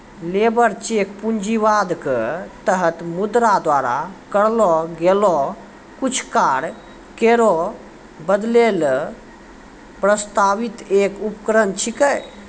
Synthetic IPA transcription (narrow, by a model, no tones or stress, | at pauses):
leːbəɾt͡ʃeːkpund͡ʒiʋaːd̪kt̪əɦət̪mud̪ɾad̪waːɾa̰kəɽlɔɡelɔ | kut͡ʃʰkaːɽ | keɾo | bəd̪leːl | pɾəst̪aːʋit̪eːkupkɾənt͡ʃʰikəj